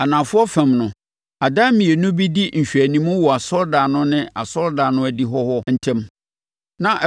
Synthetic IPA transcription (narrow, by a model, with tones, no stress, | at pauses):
a˨nã˨fʊ˦ɔ˦fɛ̃˨mnʊ̃˨ | a˨daː˦mĩ˨e˨nʊ̃˦bi˦di˦n̩˨ɕᶣɥæ˨nĩ˦mʊ̃˦wɔ˨a˨sɔ˦lda˨nʊ̃˦nɪ̃˦a˨sɔ˦lda˨nʊ̃˦æ˨di˦ɦɔ˦hɔ˦n̩˨tʰɛ̃˦m | nã˦ʔ